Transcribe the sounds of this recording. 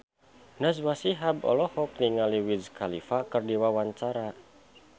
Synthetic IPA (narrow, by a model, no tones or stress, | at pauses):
naswasiɦabɔ̰lɔhɔk̚niŋaliwizkalifakərdiwawaɲt͡ʃaɾa